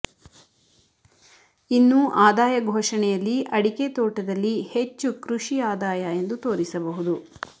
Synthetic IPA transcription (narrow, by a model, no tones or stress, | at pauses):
inːuʔaːd̪aːjɐɡʱoːʂɐɳɛjɐlːiʔɐɽiket̪oːʈɐd̪ɐlːihe̞t͡ʃːukɾuʂiaːd̪aːjɐe̞nd̪ut̪o̞ːɾisɐbɐɦud̪u